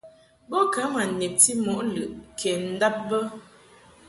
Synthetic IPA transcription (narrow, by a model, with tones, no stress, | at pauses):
bɔ˦ka˨˦ma˨nɛ˨p̚ti˦mɔ˨ʔlɯ˨ʔkʰɛ˨n̩˦da˦p̚bə˦